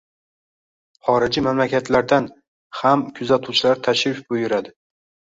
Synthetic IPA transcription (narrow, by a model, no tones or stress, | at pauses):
χɒɾɪd͡ʒimamlakʲʰat̪ʰlaɾd̪an | hamkʲʰʊzat̪ʰuwt͡ʃʰɪlaɾt̪ʰaʃɾɪfbʊjʊɾad̪ɪ